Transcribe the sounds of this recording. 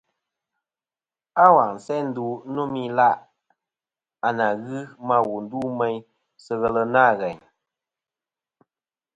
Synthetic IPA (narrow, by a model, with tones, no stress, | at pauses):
a˦wa˨ŋn̩˨sɛ˦n̩˦du˦˨˦no˦mi˦la˦ʔ | a˨na˨ɣɨ˦ma˦˨wu˨n̩˨du˦mɛ˦ɲ | sə˦ɣə˨lə˧na˦˨ɣɛ˨ɲ